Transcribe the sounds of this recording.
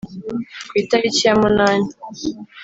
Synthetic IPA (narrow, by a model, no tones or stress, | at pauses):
kwitaɾicijamunaːni